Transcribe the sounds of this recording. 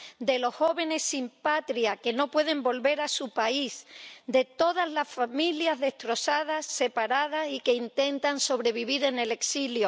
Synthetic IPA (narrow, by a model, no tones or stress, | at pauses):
d̪e̞lo̞sho̞βe̞ne̞sːimpat̪ɾjake̞no̞pwe̞ðe̞mbo̞lβe̞ɾasupaisd̪e̞t̪o̞ðazlasfamiljazðe̞hst̪ɾo̞sað̞asːe̞paɾað̞asike̞int̪e̞nt̪anso̞β̞ɾe̞β̞iβ̞iɾe̞ne̞le̞ksiljo